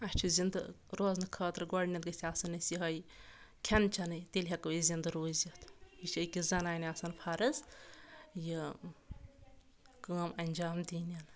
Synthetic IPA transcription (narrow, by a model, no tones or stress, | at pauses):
ɐt͡ʃʰuzind̪ɨɾoznɨkʰɐːt̪ɾɡɔɽnʲɐt̪̚ɡɨsʰʲiasɐnːɨsiɦɐj | kʲʰɐnt͡ʃʰɐnɨjt̪elʲɦɐkɐʋzind̪ɨɾoːzʲit̪it͡ʃʰɨkʲizɐnaːnʲasɐnpʰɐɾɨz | jɨ | kəːmɐnʲd͡ʒaːmd̪iːnʲɐn